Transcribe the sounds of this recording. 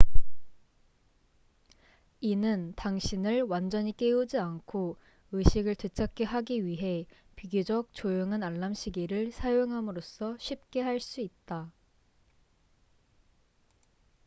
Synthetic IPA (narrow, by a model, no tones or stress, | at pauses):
inɯntaŋɕʰinɯɭwand͡ʑʌɲik͈eud͡ʑiankʰo | ɯɕʰiɡɯɭtɯt͡ɕʰak͈eɦaɡiɥiɦe̞ | piɡjod͡ʑʌk̚t͡ɕojoŋanaɭːamɕʰiɡiɾɯɭsʰajoŋɦamɯɾos͈ʰʌɕʰip̚k͈e̞ɦaɭs͈uit̚t͈a